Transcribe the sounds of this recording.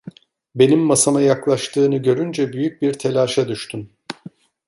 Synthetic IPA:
be̞nimːasamajaklˠaʃt̪ʰɯːnɯɟø̞ɾynd͡ʒɛbyjyc̚biɾt̪ʰe̞lʲaːʃad̪yʃt̪ʰyn

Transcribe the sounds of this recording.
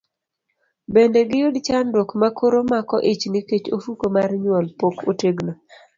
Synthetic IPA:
bendeɡɪjodt͡ʃandwɔkmakʰoɾomakɔ̰ʔɪt͡ʃnɪket͡ʃo̰fukomarɲwɔlpokoteɡno

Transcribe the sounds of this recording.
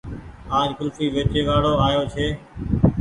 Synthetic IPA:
aːd͡ʒkʊlfiːʋeːʈɾeːʋaːɽoːaːjoːt͡ʃʰeː

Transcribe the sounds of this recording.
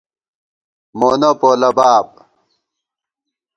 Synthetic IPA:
moːnɐpoːlɐbaːb̚

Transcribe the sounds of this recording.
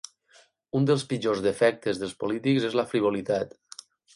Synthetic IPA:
und̪əlˠspiʒozðefɛk̚t̪ezðəlˠspolit̪ikzezlafɾiβ̞olit̪at̪

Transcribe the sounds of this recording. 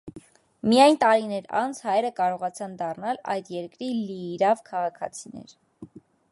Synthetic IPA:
mijɑjnt̪ɑɾinɛɾɑ̰nt͡sʰhɑjɾəkɑɾɔʁɑt͡sʰɑnd̪ɑrnɑlɑ̰jd̪jɛɾkɾiliɾɑvkʰɑʁɑkʰɑ̰t͡sʰinɛ̰ɾ

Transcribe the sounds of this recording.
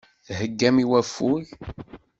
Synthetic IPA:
θhəɡːæmiwæfːuʝ

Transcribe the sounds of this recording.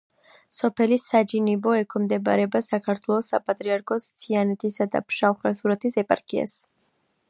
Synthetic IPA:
sɔpʰɛlisad͡ʒinibɔɛkʰmd̪ɛba̰ɾɛbasakʰaɾt̪ʰwɛlˠɔsapʼat̪ʼɾiaɾkʰɔst̪ʰianɛt̪ʰisad̪a̰pʰʃavχɛsuɾat̪ʰisɛpʼa̰ɾkʰʼia̰s

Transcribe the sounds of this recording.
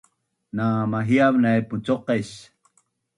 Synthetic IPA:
naːmaɦiaβnaeput͡soqeɕ

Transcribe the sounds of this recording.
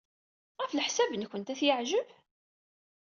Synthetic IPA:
ʁæflħsæbənkʷːənt̪æθjəʕʒəb

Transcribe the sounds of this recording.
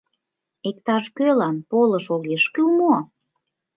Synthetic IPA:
ek̚t̪ɑʃkølɑnpolɤʃoɣeʃkymo

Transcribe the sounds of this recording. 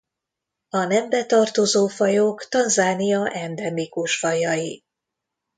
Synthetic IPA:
ɒnɛmbɛt̪ɒrt̪ozoːfɒjokt̪ɒnzaːnijɒʔɛnd̪ɛmikuʃfɒjɒji

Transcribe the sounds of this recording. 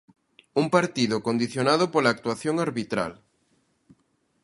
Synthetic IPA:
umpaɾt̪iðʊkond̪iθjonaðʊpolaːk̚t̪waθjoŋaɾβit̪ɾa̰l

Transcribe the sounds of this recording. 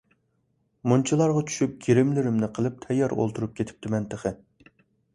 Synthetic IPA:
munt͡ʃʰilˠɑɾʁɑt͡ʃʰy̥ʃyp̚ɡ̥ʲeɾɪmlɪɾɪmnɪqʰəlˠɨp̚t̪ʰɛjːɑɾo̰lˠt̪ʰuɾup̚kʲʰet̪ʰɪ̥p̚t̪ʰɪmɛnt̪ʰəχə

